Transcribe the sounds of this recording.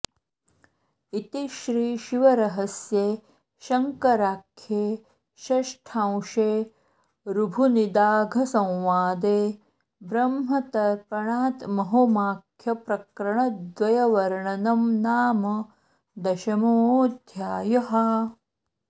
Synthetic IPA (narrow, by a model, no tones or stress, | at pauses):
it̪iʃɾiːʃiʋɐɾɐɦɐsjeː | ʃɐŋkɐɾaːkʰjeː | ʃɐʂʈʰãwʃeː | ɾubʱunid̪aːɡʱɐsɐ̃w̃ʋaːd̪eː | bɾɐmɦɐt̪ɐɾpɐɳaːt̪mɐɦomaːkʰjɐpɾɐkɾɐɳɐd̪ʋɐjɐʋɐɾɳɐnɐmnaːmɐ | d̪ɐʃɐmoːd̪ʱjaːjɐɦɐ